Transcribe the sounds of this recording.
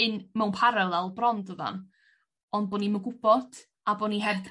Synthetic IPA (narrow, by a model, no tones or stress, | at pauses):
ɨnmɛwnpʰaɾɛlˠɛlˠbrɔndəva̰n | ɔnd̚bɔːniməɡʊb̥ɔd̥ | aboniɦɛvd